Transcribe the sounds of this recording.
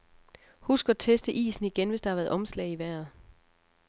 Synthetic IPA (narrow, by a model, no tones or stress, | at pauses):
husɡ̥ɐɒt͡sʰesd̥əʔḭːsn̩iɡ̥enʋe̝sd̥ɑhɑ̈ʋæːɐð̩ˠɒ̽mslɛ̰ɪiʋæɐ̰ð̩ˠ